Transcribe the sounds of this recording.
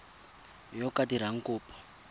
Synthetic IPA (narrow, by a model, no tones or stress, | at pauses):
jɔkatiɾ̤aŋ̩kuːpʰɔ̥